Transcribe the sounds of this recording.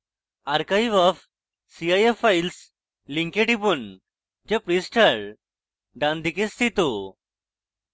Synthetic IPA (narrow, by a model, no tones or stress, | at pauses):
aɾkajiʋɔf | siajefails | lĩŋkeʈibun | d͡ʑepɾisʈʰəɭ | ɖãnd̪ikist̪it̪u